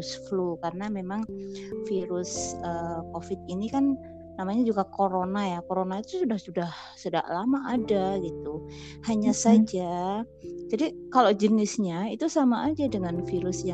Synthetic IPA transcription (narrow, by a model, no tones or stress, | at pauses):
sflukaɾənamemaŋfiɾʊsəkofɪt̪̚inikanː | amaɲad͡ʒuɡakoɾonajakoɾonait̪usudahsudah | suda̰ʔlamaʔːdaɡit̪u | haɲasad͡ʒa | d͡ʒadikalod͡ʒənɪsɲait̪usamaʔad͡ʒadəŋanfiɾʊsja